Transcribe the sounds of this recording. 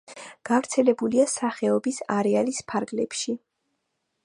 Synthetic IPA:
ɡ̥avɾt̪sʰɛlɛbuliasaχɛɔbisaɾɛalispʰaɾɡlɛpʃi

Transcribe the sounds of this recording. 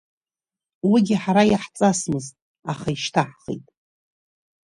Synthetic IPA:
wiɡʲɪħaɾajaħt͡sʼasmɨztʼ | aχaiʃtʰaħχḛjtʼ

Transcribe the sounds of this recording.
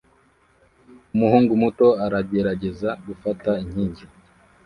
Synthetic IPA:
umuhuːŋɡumuto̞aɾabɡeɾaɟe̞zaɡufataiɲ̥hiːɲɟi

